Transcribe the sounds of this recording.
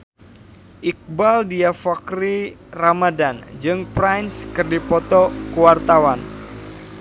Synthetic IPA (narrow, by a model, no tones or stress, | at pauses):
ʔik̚baldiafakɾiramadand͡ʒɨŋpɾajnskɨrdipɔt̪ɔkuwart̪awan